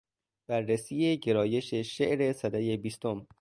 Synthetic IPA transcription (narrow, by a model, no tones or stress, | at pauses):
b̥ærːesiːjeɟe̞ɾɒːje̞ʃeʃeʔɾe̞sæd̪æje̞biːst̪ʰom